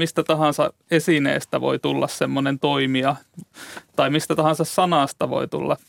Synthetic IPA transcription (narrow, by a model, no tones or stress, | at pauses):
mist̪æt̪ɑhɑnsɑ̰ | esinḛːst̪æʋo̰it̪ulːɑssemːonent̪oimiɑ | t̪ɑimist̪æt̪ɑhɑnsɑssɑnɑˑst̪ɑʋo̰it̪ṵlːɑ̰